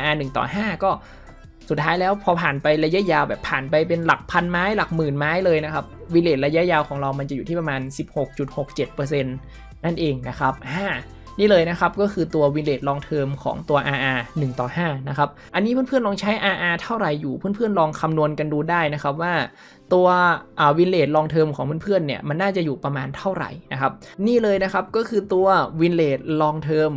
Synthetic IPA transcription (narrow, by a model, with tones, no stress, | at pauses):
ʔaː˧ʔaː˧nɯ˨˩ŋt̪ɔ̰ː˨˩ɦaː˥˩kɔː˥˩ | su˨˩t̪ʰːaː˦˥jlɛː˦˥wpʰɔː˧pʰaː˨˩npa˧jla˧ja˦˥jaː˧wbɛː˨˩pʰaː˨˩npa˧jp̬e˧nla˨˩k̚pʰa˧nmaː˦˥jla˨˩k̚mɯː˨˩nmaː˦˥jlɤː˧jna˦˥kʰa˦˥p̚wi˧leː˨˩t̪̚ɾa˧ja˦˥ʔjaː˧wkʰɔː˩˦ŋɾa˧wma˧nt͡ɕa˨˩juː˨˩iː˥˩p̬̚a˧maː˧nsi˨˩p̚ho˨˩k̚t͡ɕu˨˩t̪̚ho˨˩k̚t͡ɕe˨˩t̪̚pɤː˧s̬e˧n | na˥˩nʔeː˧ŋna˦˥kʰa˦˥p̚haː˥˩ | niː˥˩lɤː˧jna˦˥kʰa˦˥p̚kɔː˥˩kʰɯː˧t̪u˧ɐwi˧leː˨˩t̪̚lɔː˧ŋt̪ʰɤː˧mkʰɔ̰ː˩˦ŋt̪u˧ɐʔaː˧ʔaː˧nɯ˨˩ŋt̪ɔ̰ː˨˩haː˥˩na˦˥kʰa˦˥p̚ʔa˧nːiː˦˥ɯ˥˨npʰɯ˥˩ənlɔː˧ŋt͡ɕʰa˦˥jʔaː˧ʔaː˧t̪ʰa˥˩wɾa˨˩jːuː˨˩pʰɯː˥˩˨npʰɯ˥˩ənlɔː˧ŋkʰa˧mnu˧ənka˧nduː˧daː˥˩jna˦˥kʰa˦˥p̬̚waː˥˩ | t̪u˧ɐʔaː˨˩wi˧nleː˨˩t̪̚lɔː˧ŋt̪ʰɤː˧mkʰɔː˩˦ŋpʰɯ˥˨npʰɯ˥˩ənːi˦˥˩ɐma˧nːaː˥˩t͡ɕa˨˩juː˨˩pɾa˧maː˧nt̪ʰa˥˩wɾa̰˨˩jna˦˥kʰa˦˥p̚niː˥˩lɤː˧jna˦˥kʰa˦˥p̚kɔː˥˩kʰɯː˧t̪u˧ɐwi˧nleː˨˩t̪̚lɔː˧ŋt̪ʰɤː˧m